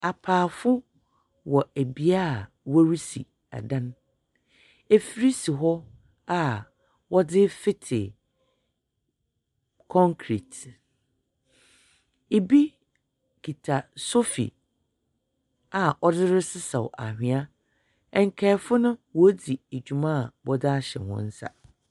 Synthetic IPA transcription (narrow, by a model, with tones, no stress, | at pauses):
a˨pʰaː˨fʊ˦ | wɔ˨e˨bi˨a˦˨ | wæ˦ɾi˦si˨ | a̰˨dã˦n˦ | e˨fi˦ɾi˦si˨ɦɔ˦ | a˨ | wɔ˦dɪ˦fɪ˦tʰɪ̰˨ | kʰɔ̃˦ŋkʰɾḭ˨t | e˨bi˦ | kʰi˨tʰa˨so˦fḭ˨ | a˨ɔ˦dɪ˦ɾɪ˦sɪ˦sɛ˨wʔa̰˨hᶣɪ̃˨a˦ | ɛ˨ŋ̩˨kʰɛː˨˦fʊ˦nʊ̃˦wɔ˦di˨e˨d͡ʑᶣu˨mã˦˨bɔ˦da˦a˦ɕɛ̰˨hʊ̰̃˦n̩˦sa̰˨